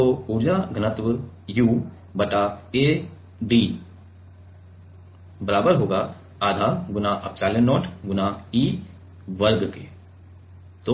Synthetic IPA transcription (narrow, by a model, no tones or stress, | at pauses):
t̪oːʊɾd͡ʒaɡʱənət̪ʋəjuː | bəʈaeː | ɖi | bəlaːbəɾɦoːɡaː | aːd̪ʱaːɡʊnaʔəpt͡ʃaːljənːɔːʈɡʊnaiː | ʋəɾɡkeː | t̪o